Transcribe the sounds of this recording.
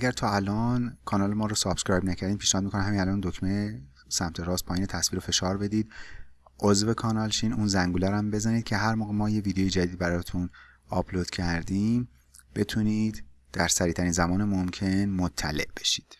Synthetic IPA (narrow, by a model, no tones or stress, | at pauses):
æɡæɾt̪ʰɒːælɒːnkʰɒːnɒːlemɒːɾosɒbskɾɒjbnæcʰæɾd̪iːmpʰiːʃnɛhːd̪mikonæmhæminælɒːnd̪okʰme | sæmt̪ʰeɾɒːst̪pʰɒːjiːnet̪ʰæsv̥iːɾofe̞ʃɒːɾbe̞d̪iːd̪̥ | ʔozvekʰɒːnɒlʃiːnuːnzæŋɡuːlæɾæmbe̞zæniːd̪̥̚cʰe̞ɦæɾmoːɣemɒːjeviːd̪ejejed͡ʒæd̪iːd̪bæɾɒːt̪ʰun | ɒbloːd̪̥cʰæɾd̪iːm | b̥e̞t̪ʰuniːd̪̥ː | æɾsæɾiːt̪ʰæɾiːnzæmɒːnemomcʰe̞nmot̪ʰːæ̰le̞̰ʔb̥e̞̥ʃi̥ːd̪̥